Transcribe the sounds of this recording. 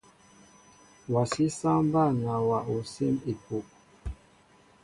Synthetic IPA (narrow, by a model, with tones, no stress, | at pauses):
wa˨si˦sã˦ba˦˨na˨wa˨ʔo˨si˦mi˨po˨ʔ